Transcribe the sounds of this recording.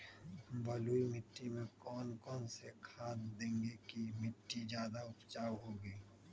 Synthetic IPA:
bəluːimɪʈːimẽkɔːnkɔːnsekʰaːt̪d̪ẽːŋɡekimɪʈːid͡ʒjaːd̪aʊpt͡ʃaːwɦoːɡiː

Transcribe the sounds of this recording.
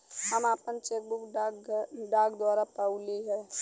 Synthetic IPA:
həmaːpənt͡ʃeːk̚bʊk | ɖaːɡd̪waːɾapəʊliɦɛː

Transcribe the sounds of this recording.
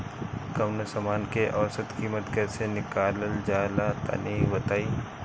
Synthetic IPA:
kɐmnəsɐmaːnkeʔɔːsət̪kiːmət̪kɛːsenɪkaːləld͡ʒaːlat̪a̰niːbɐt̪aːiː

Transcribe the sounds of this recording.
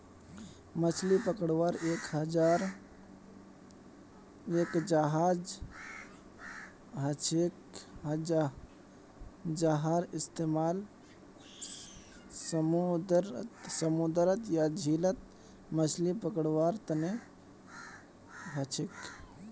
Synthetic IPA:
mət͡ʃʰlipəkəɽʋaɾeːkɦəd͡ʒaːɾ | ekd͡ʒaɦaːd͡ʒ | ɦət͡ʃʰekɦəd͡ʒa | d͡ʒaɦaɾɪst̪emaːl | səmd̪ɾsəmud̪ɾət̪jad͡ʒʱilət̪ | mət͡ʃʰlipəkəɽʋaɾt̪əne | ɦət͡ʃʰek

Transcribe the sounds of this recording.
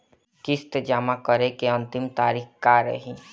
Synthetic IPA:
kɪst̪d͡ʒamakəɾekeə̃nt̪ɪmt̪aːɾikkaɾə̰ɦĩ

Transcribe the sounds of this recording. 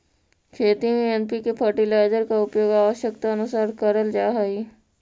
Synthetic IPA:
kʰeːt̪imẽɛnpikepʰəɾʈilaːd͡ʒəɾkaʊpjoːɡaːʋəʃjəkt̪aɐnʊsaːɾkəɾəld͡ʒaːɦai

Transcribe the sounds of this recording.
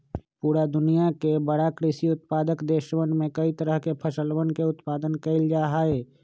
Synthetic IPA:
puːɾad̪ʊnijakebəɽakɾɪʃiʊt̪̚paːd̪əkd̪eːʃwənmẽkəit̪əɾəɦkepʰəʃəlwənkeʊt̪paːd̪ənkəɪld͡ʒaːɦae

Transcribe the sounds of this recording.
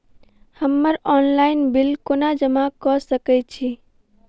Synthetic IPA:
həmːəɾɔnlaɪnbilkonad͡ʒəmakɔsəkɛt͡ʃʰi

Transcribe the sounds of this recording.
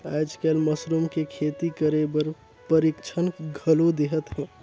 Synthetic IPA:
aːd͡ʒkelməsɾumkekʰet̪ikəɾebəɾ | pəɾikt͡ʃʰənɡʱəlod̪eɦət̪ɦɛ̃

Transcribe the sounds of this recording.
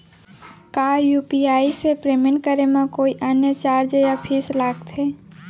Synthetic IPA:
kajupiaisepɾeminkəɾemekoiʔənjət͡ʃaɾd͡ʒəjapʰislaɡt̪ʰe

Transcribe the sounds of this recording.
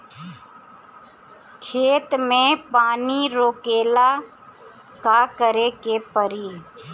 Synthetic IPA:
kʰeːt̪mẽpaːniɾoːkeːla | kakəɾekepəɾiː

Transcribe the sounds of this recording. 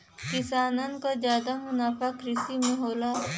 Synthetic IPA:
kɪsaːnənkad͡ʒjaːd̪amʊnaːfakɾɪsimẽɦoːla

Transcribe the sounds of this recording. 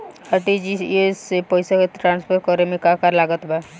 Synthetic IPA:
əʈid͡ʒisesepɔjsaket̪ɾãːnspʰəɾkɔɾemẽkakaɾlaɡət̪ba

